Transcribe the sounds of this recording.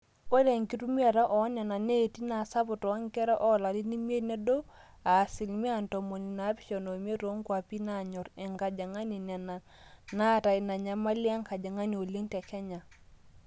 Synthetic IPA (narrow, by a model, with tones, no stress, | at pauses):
o˦de˨ŋki˦tu˦mi˦a˨ɾa˦ʔɔ˨˦na˨na˨ne˦˨ti˦na˨sa˦bʊ˨tɔ˨a˦ŋ˦kɛ˦ɾa˦ʔɔ˦la˨li˦ni˦mi˦e˦ne˦do˦ | a˨si˨lmi˦a˦˨ntɔ˨mo˨ni˨na˨˦pi̥˦ʃo˨no˨m˦e˦ɾo˦ŋkwa˨pi˦na˦˨ɲɔ˨ɾɛ˨ŋka˨d͡ʒa˨ŋa˦ni˨na˨na˨n | na˦ta˨i˨na˨ɲa˦ma˦li˦a˦ŋka˨d͡ʒa˨ŋa˦ni˨o˨le˦ŋ˦ta˨t͡ʃa˦ɲa˨